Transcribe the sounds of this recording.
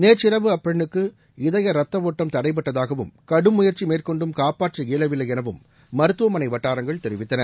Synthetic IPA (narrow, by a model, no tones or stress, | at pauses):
neːɾt͡ʃɪɾɐʋɯɐpːɛɳːɯkːɯ | ɪðɐjɐɾɐt̪ːɐʋoːʈːɐmt̪ɐɽɐɪp̬ːɐʈːɐðaːɣɐʋɯmkɐɽɯmʊjɐɾt͡ʃimeːrkɔɳɖɯmkaːpaːʈrɐeːlɐʋɪlɐjɛnɐʋɯmː | ɐɾɯt̪ːɯʋɐmɐnɐɪʋɐʈːaːɾɐŋɡɐɭt̪ɛɾɪʋɪt̪ːɐnɐɾ